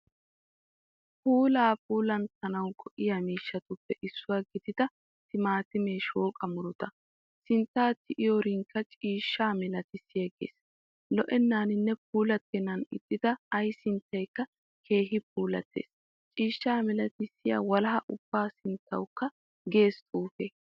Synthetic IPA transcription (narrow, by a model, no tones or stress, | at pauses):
puːlaːpuːlɐnt̪ɐnɐwɡɔʔɪjɐmiːʃːɐt̪ʊpːɛʔɪsːʊwaːɡɪd̪ɪd̪ɐ | tɪmaːt̪ɪmeːʃoːkʼɐmʊɾʊt̪ɐ | sɪnt̪ːaːt̪ːɪʔɪjoɾɪŋkːɐt͡ʃʼiːʃːaːmɪlɐt̪ɪsːɪjɐɡḛːs | lɔʔɛnːaːnɪnːɛp̚uːlɐt̪ːɛnɐnɪ̰t̪ʼːɪd̪̥ɐːjsɪnt̪ːɐjkːɐ | kʰe̞ːɦɪp̚uːlɐ̰t̪ːḛːs | t͡ʃʼiːʃːaːmɪlɐt̪ɪsːɪja̰ːwɐlɐɦɐʔʊb̥ːaːsɪnt̪ʰːɐ̰wkːɐ | ɡe̞ːst̪ʼuːfe